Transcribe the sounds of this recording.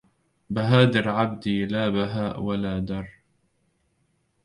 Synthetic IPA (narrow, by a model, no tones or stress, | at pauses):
baɦaːd̪ɪɾʕabd̪iːlaːbaɦaːʔwalaːd̪ɑɾˤ